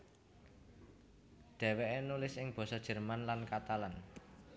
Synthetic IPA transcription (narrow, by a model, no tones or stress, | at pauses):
d̪̥ɛ̤weʔenulɪsɪŋb̥ɔ̤sɔd̥ʒ̥ə̤rmanlankat̪alan